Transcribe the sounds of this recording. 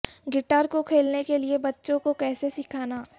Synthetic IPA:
ɡɪʈaːɾkokʰeːlnekeliebɐtːʃõkokɛːsesɪkʰaːnaː

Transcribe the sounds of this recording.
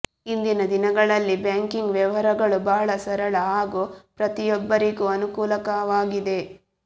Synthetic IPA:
ind̪inɐd̪inɐɡɐɭɐlːibjaːŋkiŋɡʋɛʋɐɾɐɡɐɭubɐːɐɭɐsɐɾɐɭɐɦaːɡupɾɐt̪ijɔbːɐɾiɡuɐnukuːlɐkɐʋaːɡid̪e̞

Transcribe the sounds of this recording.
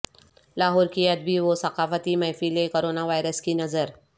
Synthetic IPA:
laɦɔɾkiad̪̚biːʋosəkafət̪iːmajfilekoɾonaʋajɾəskiːnəd͡zəɾ

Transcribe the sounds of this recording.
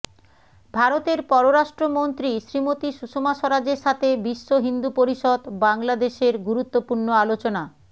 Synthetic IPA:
bʱaɾot̪eɾpɔɾoɾaʃʈɾomont̪ɾiʃɾimot̪iʃuʃomaʃoɾad͡ʑeɾʃat̪ʰebiʃːoɦind̪upoɾiʃod̪baŋlad̪eʃeɾɡuɾut̪ːopuɾnɳoalot͡ɕona

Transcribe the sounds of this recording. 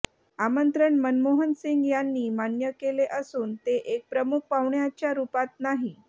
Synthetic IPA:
amənt̪ɾəɳmənmoɦənsiŋɡjanːiːmanjəkeleʔəsuːnt̪eʔek̚pɾəmuk̚paʋɳjat͡ɕjaɾupat̪̚naɦi

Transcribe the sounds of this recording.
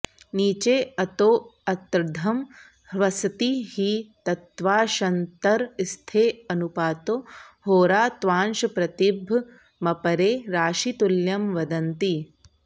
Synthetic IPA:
niːt͡ʃeːɐt̪oːɐt̪ɾd̪ʱɐm | hʋɐsɐt̪ihit̪ɐt̪ʋaːʃɐnt̪ɐɾist̪ʰeːɐnupaːt̪ohoːɾaːt̪ʋaːnʃɐpɾɐt̪ibʱ | mɐpɐɾeːɾaːʃit̪uljɐmʋɐd̪ɐnt̪i

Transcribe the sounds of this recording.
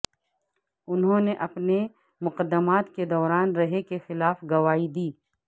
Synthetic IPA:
ʊnɦõːneʔɐpne | mʊqəd̪ːəmaːt̪ked̪ɔːɾaːnɾɐɦekexɪlaːfɡɐʋaːid̪iː

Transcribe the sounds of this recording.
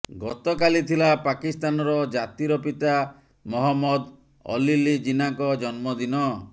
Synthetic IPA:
ɡɔt̪ɔkalit̪ʰilapakist̪anɔɾɔd͡ʒat̪iɾɔpit̪a | mɔɦɔmːɔd̪ | ɔ̰lilid͡ʒinakɔd͡ʒɔnmɔd̪inɔ

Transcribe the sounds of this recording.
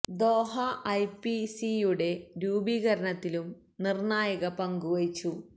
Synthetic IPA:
d̪o̞ːɦɐʔɐjpisijuɽe̞ɾuːbiːɣɐɾɐɳɐt̪ːilum | nirnɳaːjɐɣɐpɐŋɡuʋɐit͡ɕːu

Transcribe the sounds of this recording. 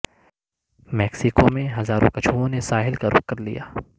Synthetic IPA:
mɛːksɪkomẽɦɐzaːɾõ̰kɐt͡ʃʰuõnesaːɦɪlkaɾʔʊ̰kːɐɾlḭjaː

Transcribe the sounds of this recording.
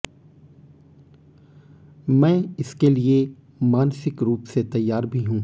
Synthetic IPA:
mɛ̃ːɪskelie | maːnsɪkɾuːpset̪ɐjːaːɾbʱiɦũː

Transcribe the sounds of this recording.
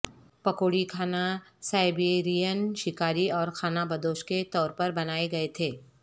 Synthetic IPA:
pɐkoːɽikʰaːna | saːɪbeɾijənʃɪkaːɾiɔːɾkʰaːnabɐd̪oːʃket̪ɔːɾpɐɾbɐnaːeɡɐet̪ʰeː

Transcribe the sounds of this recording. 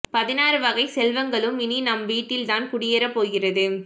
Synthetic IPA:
pɐðɪnaːɾɯʋɐɣɐɪsɛlʋɐŋɡɐɭɯmɪninɐmʋiːʈːɪlt̪aːnkʊɽɪjɐɾɐpːoːɣɪrɐðɯ

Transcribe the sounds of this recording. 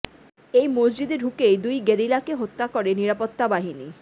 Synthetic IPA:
ejmosd͡ʑid̪eɾɦukejd̪ujɡeɾilakeɦot̪ːakɔɾeniɾapot̪ːabaɦini

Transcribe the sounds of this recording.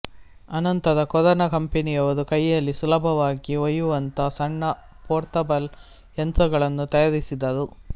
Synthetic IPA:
ɐnɐnt̪ɐd̪ɐkɔðɐnɐkɐmpenijɐʋɐd̪ukɐjːɐlːisulɐbʱɐʋaːɡiɔjuʋɐnt̪ɐsɐɳːɐ | poːɾt̪ɐbɐl | ent̪ɾɐɡɐɭɐnːut̪ɐjɐɾisid̪ːɐd̪u

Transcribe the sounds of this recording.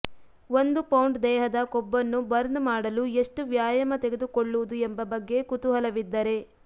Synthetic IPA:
ʋo̞nd̪upɐwɳʈd̪ɛːɦɐd̪ɐkɔbːɐnːubɐɾnmaːɽɐlue̞ʂʈuʋjaːjɐmɐt̪eɡe̞d̪ukoɭːuʋud̪uembɐbɐɡːe̞kut̪uɦɐlɐʋid̪ːɐɾe̞

